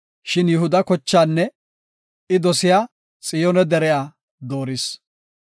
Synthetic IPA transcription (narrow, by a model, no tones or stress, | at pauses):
ʃɪnjɛɦʊd̪ɐkɔt͡ʃːaːnːɛ | ɪd̪ɔsɪjaː | t͡sʼɪjɔnɛd̪ɛɾɛjaː | d̪oːɾɪs